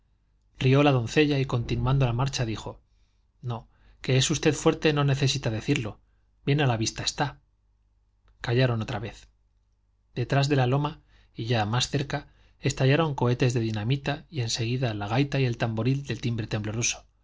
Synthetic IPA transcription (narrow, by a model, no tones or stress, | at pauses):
rio̞lað̞o̞nθe̞ʎaiko̞nt̪inwãnd̪o̞lamaɾt͡ʃaðixo̞ | no̞ | ke̞esust̪e̞ðfwe̞ɾt̪e̞no̞ne̞θe̞sit̪aðe̞θiɾlo̞ | b̥je̞nalaβist̪ae̞st̪a | kaʝaɾo̞no̞t̪ɾaβe̞θ | d̪̥e̞t̪ɾazðe̞lalo̞ma | iʝamasθe̞ɾka | e̞st̪aʝaɾo̞ŋko̞e̞t̪e̞zðe̞ðinamit̪aie̞nse̞ɣ̞iðalaɣ̞ajt̪aie̞lt̪ambo̞ɾild̪e̞lt̪imbɾe̞t̪e̞mblo̞ruso̞̥